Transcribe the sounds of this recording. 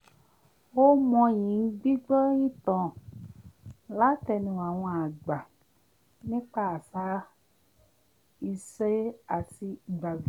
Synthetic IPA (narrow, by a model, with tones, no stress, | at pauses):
wo˦mɔ̃˧jĩ˨ŋ̩˦ɡ͡bi˦ɡ͡bɔ˦ĩ˦t̪ɔ̃˨ | la˨˦tɛ˨nĩ˧wa˨w̃ɔ̃˧a˨ɡ͡ba˨ | nĩ˦k͡pa˦˨sa˦ | i˧se˦a˨ti˧i˨ɡ͡ba˨vi˦˨˦